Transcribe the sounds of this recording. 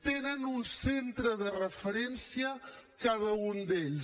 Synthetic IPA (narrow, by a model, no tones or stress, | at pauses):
t̪enənunsent̪ɾəðərəfəɾɛnsiəkaðəund̪eʎ